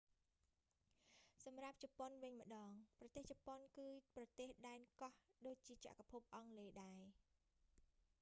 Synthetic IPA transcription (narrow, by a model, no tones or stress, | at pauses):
sɑmrap̚t͡ɕɑponʋɨɲmə̆ɗɑːŋprɑt̪eːht͡ɕɑponkɨːprɑt̪eːhɗaɛnkɑhɗoːc̚t͡ɕiət͡ɕa̰ʔkapʰup̚ʔɑŋleːɗaɛ